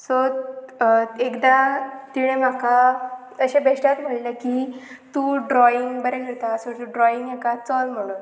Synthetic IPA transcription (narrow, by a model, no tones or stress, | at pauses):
so | ekd̪at̪iɽ̃ẽmaka | əɕẽbʱeʂʈjat̪m̤əɽleki | t̪uːɖɾɔiŋɡbəɾekeɭt̪asot̪uɖɾɔiŋɡekat͡sɔlm̤əɽ̃un